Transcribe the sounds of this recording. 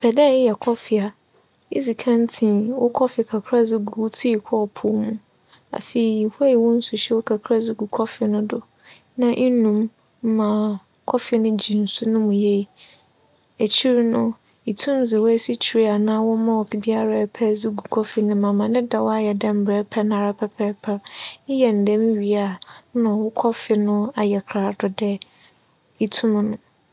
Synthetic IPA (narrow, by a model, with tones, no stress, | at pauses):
pʰɛ˨dɛ˦˨ɪ˦jɛ˨kʰɔ˦fɪ˨a˨ | i˦zi˨kʰã˦n˦tʰĩ˨nwʊ˦kʰɔ˦fɪ˨kʰa˨kʰɾa˦d͡zɪ˦ɡu˨ɾu˨˦tʰi˦˨kʰɔ˦˨pʰʊ˦mũ˦ | a̰˨fe˨i˨ha˦ji˨wɔ̃˦n̩˦sʊ˨ɕɛ˦wʊ˦kʰa˨kʰɾa˦d͡zɪ˦ɡu˨kʰɔ˦fɪ˨nʊ̃˦dʊ˨ | nã˦ʔɪ˦nũ˨m̩˦ | mã˨ | kʰɔ˦fɪ˨nʊ̃˦d͡ʑi˨n̩˨sʊ˦nʊ̃˦mũ˨je˦˨i˨ | æ˨t͡ɕʰi˦ɾnʊ̃˦ | i˨tʰũ˦mzɪ˨wæ˦si˦t͡ɕʰi˨ɾi˦a˨nãː˦wɔ˦mã˦wɔ˨kʰi˨bi˦a˦ɾa˨pʰɛ˦zi˦ɡu˨kʰɔ˦fɪ˦nʊ̃˦mã˨mã˨nɪ̃˦da˨wa˦jɛ˨dɛ̃˦m̩˨bɾɛ˨˦pʰɛ˦nã˨ɾa˦pʰɛ˦pʰɛ˦pʰɛ˦ɪ˦jɛ˨n̩˨dɛ̃˦mĩ˦ɥi˨a˨˦nã˨wʊ˦kʰɔ˦fɪ˨nʊ̃˦a˨jɛ˨kʰɾa˨dɔ˨dɛ˦ | i˨tʰũ˦m˦nʊ̃˨